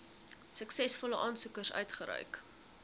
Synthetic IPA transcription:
səksɛsfɔləʔɑːnsukərsœ̰ɥtχəɾœ̰ɥk

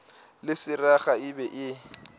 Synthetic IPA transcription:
lɪsɪraχaɪbɛʔɪ

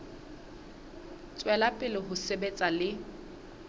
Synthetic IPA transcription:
t͡sʼwɛlapʼɪlɪɦʊsebet͡sʼalɪ

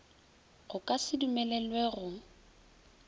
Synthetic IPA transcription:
ɣʊkʼasɪdumɛlɛlweɣʊ

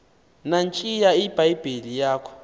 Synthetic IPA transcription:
nant͡ʃʼijaibaib̥ʱilijaːkʰɔ̥

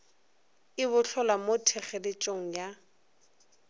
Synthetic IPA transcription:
ɪβʊɬʰɔlamotʰɛχɛlɪt͡ʃʼoŋ̩ja

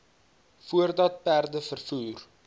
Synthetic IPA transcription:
fuərdɐt̚pærdəfərfuːr

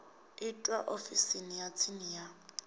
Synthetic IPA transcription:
ɪtʼwaʔofisinijat͡sʰinija

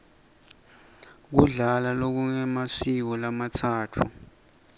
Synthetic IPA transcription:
k̬uɮalalok̬uŋɛmasik̬ɔlamatʰaːtʰu

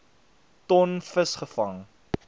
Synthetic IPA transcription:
tɔnfəsχəfɐŋ

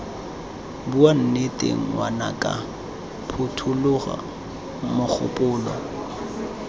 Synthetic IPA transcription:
buan̩netʼḛŋ̩wana̰kʼa | pʰʊtʰʊlʊɣa̰ | mʊk͡xʰʊ̰pʼʊːlɔ

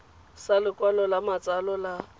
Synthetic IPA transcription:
salɪkʼwalɔlamat͡sʼalɔla

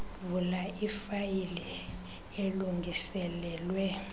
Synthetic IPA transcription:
vulaifajilɛ | eluŋɡʱisɛlɛːlwɛ

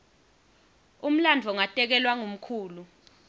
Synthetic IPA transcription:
um̩land͡ɮʱɔŋatʼɛk̬ɛlwaŋum̩kʰuːlu

